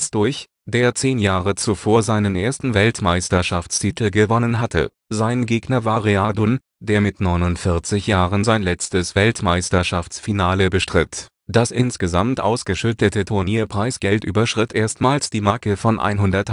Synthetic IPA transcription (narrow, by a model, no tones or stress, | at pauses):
sd̥ʊç | d̥eːɐt͡seːnjaːʁət͡sufoːɐzaɪnənʔeːɐstn̩vɛltmaɪstɐʃaft͡stʰitʰl̩ɡəvɔnənɦatʰə̰ | zaɪnɡeːɡnɐvaːʁeadʊn | d̥eːɐmɪtnɔʏnʊntfɪɐt͡sɪçjaːʁənzaɪnlɛt͡stəsv̥ɛltmaɪstɐʃaft͡sfinaːləbəʃtʁ̥ɪt | d̥asʔɪnsɡ̥əzamtʔa̰ʊsɡ̥əʃʏtətətʰʊɐniːɐpʁ̥aɪsɡ̥ɛltʔy̰ːbɐʃʁ̥ɪtʔeːɐstmaːlsd̥iːmaːkəfɔnʔa̰ɪnɦʊndɐt